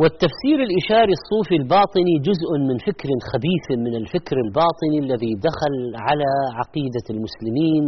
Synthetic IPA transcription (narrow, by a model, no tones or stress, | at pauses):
wɪt̪ːafsiːɾɪlʔɪʃɑːɾisˤːuːfilbɑːt̪ˤɨnid͡ʒʊzʔmɪnfɪkɾɪnxabiːfmɪnɪlfɪkɾɪlbɑːt̪ˤɨnilːaðid̪axalʕalaʕɑqiːd̪almʊslɪmiːn